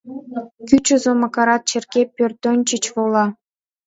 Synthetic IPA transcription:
kʲyt͡ɕozomɑkɑɾɑt̪̚t͡ɕerkepʲørt̪onʲt͡ɕət͡ɕβolɑ

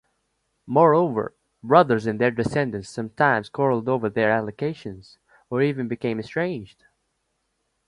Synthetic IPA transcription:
mɔɹoʊvə̰˞ | bɹʌðə˞zɨ̃nðə˞dɨsɛ̃ndɨ̃nsʌ̃mtʰãɪ̃mz̥kʰɔɹl̩ˠdoʊvə˞ðə˞ælˠɨkʰeɪʃɨ̃nz̥ | ə˞ivɨ̃nbɨkʰẽɪ̃mɨstɹ̥ẽɪ̃nd͡ʒd̥

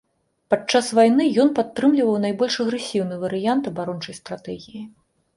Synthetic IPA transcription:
pat͡ʂːasvajn̪ɨjɔnpat̪ːɾɨmlʲivɐwnajbɔlʲʂɐɣɾɛsʲiwnɨjvɐɾɨjant̪ɐbaɾɔnt͡ʂɐjst̪ɾat̪ɛɣʲiji

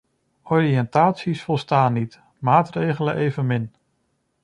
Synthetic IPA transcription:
ɔriɛntaːtsisfɔlˠstaːnːit | maːtrejχələʔejvənmɪn

